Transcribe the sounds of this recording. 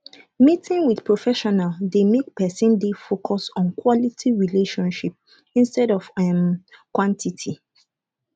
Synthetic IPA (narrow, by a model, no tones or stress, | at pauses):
mitʰɪ̃ŋwidpɹofɛʃɔnaldemek̚pɛsĩndefokʰɔsɔ̃nkwɔlitʰiɹileʃɔ̃nʃip̚ | ĩnstɛɾɔvɛmkwɔ̃ntʰitʰi